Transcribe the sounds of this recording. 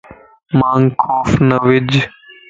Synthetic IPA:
maːŋkʰoːfnəʋɪd͡ʒ

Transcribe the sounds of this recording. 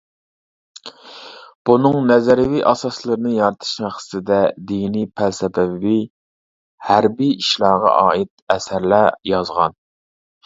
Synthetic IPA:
b̥unɨŋnɛzæɾɪviʔɑsɑslˠɨɾɨnɨjɑɾɨt̪ʰɨ̥ʃmæχsɪ̥t̪ɪd̪ɛd̪inipʰælsɛbɛi | hæɾbiiʃlɑːʁɑ̰ʔɑːit̪̚ɛsæɾlæjɑzʁɑ̰n

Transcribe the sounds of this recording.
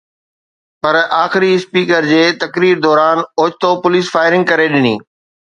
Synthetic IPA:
pɐɾaːxɪɾiɪspiːkəɾd͡ʑeːt̪ɐkɾiːɾd̪ɔːɾaːnoːd͡ʑt̪opʊliːsfaːɪɾɪ̃ŋɡ̚kɐɾeɗɪnḭː

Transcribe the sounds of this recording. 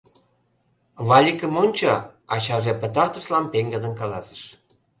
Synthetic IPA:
βɑlʲikə̆monʲt͡ɕoɑt͡ɕɑʒĕpə̆t̪ɑrt̪ə̆ʃlɑmpeŋɡəd̪ə̆nkɑlɑsə̥ʃ

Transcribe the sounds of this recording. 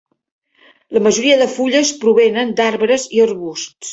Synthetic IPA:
ləməʒuɾiəðəfuʎəspɾuβenənd̪aɾβɾəziərβust̪

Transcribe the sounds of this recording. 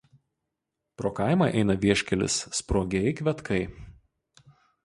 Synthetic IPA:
pɾoːkɐˑɪmɑʔɛɪnɐʋʲiɛʃʲkʲɛlʲɪ̰sːpɾoːɡʲɛɪkʋʲɛt̪kʰɐɪ

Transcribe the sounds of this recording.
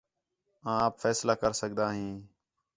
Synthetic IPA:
ãːpfʰɛːslaːkəɾsək̚d̪aːɦĩː

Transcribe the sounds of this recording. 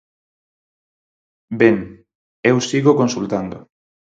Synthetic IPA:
beŋ | ewsiɣokonsult̪and̪o̰

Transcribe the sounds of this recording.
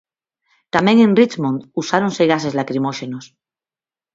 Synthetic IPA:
t̪amẽŋẽnrit͡ʃmõnd̪usaɾonse̞ɣas̬e̞zlakɾimoʃe̞nos

